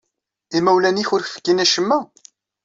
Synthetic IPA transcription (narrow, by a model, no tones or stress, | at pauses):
imæwlæniçʊɾfə̥kːinæʃəmːæ